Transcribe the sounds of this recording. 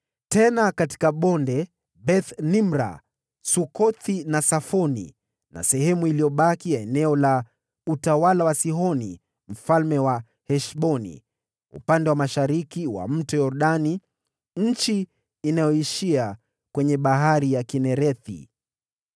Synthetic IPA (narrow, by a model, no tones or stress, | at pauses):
tɛnakati̥kaɓɔndɛ | bɛθnimɾa̰ | sukɔθinasafɔnḭ | na̰sɛhɛmuilijɔɓakiaɛnɛɔla | utawalawasiɦɔnḭ | m̩falmɛwa | hɛʃɓɔnḭ | ṵpandɛwamaʃaɾikiwa̰m̩tɛjɔɾɗani | ɲ̩t͡ʃiː | najɔiʃia | kwɛɲɛɓaɦaɾijakinɛɾɛθḭ